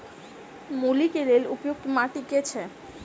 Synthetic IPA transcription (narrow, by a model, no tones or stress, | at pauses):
molikeɾelupjok̚t̪omaʈiket͡ɕʰe